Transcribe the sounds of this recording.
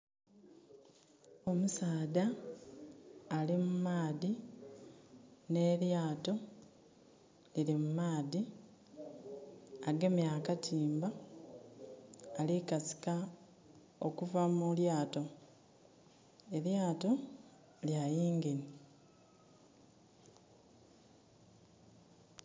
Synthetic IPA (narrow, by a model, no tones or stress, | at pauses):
o̞musaːda | limumaːði | ne̞ɾjaːto̞ | lilimumaːði | aɡe̞mjakatʰiːmba | likasi̥ka | okuvamuljaːto̞ | e̞ɾjaːto̞ | ljajiːŋɡeni